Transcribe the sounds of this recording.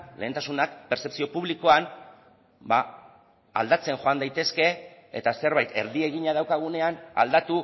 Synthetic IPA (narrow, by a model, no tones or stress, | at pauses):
le̞ːnt̪asunakpeɾt͡se̞psio̞puβliko̞an | ba | a̰ld̪at͡se̞ŋxo̞and̪ajt̪e̞ske̞ḛt̪ase̞ɾβajt̪e̞ɾðie̞ɣiɲaðawkaɣ̞une̞ana̰ld̪at̪u